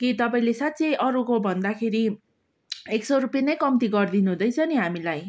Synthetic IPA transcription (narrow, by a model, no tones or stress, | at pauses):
kit̪ʌpaĩlesat̪ːt͡sʌjʔʌɾukobʱʌnd̪akʰeɾi | eksʌɾupjenajkʌmt̪iɡʌrd̪inuɦũd̪ʌjt͡sʰʌniɦamilaj